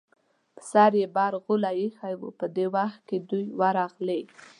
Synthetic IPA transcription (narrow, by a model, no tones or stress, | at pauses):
pə̥sɑɾjebɑɾɣʊlajexawṵpəd̪ewaxt̪̚ked̪ujwaɾɑɣle